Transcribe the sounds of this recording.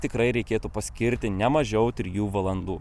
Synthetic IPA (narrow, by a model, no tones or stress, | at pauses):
t̪ʲɪkɾɐɪɾʲɛɪkʲeːt̪uːpɐsʲkʲɪɾʲt̪ʲɪnʲɛmɐʒʲɛʊt̪ʲɪɾʲjuːʋɐlˠɐnd̪uː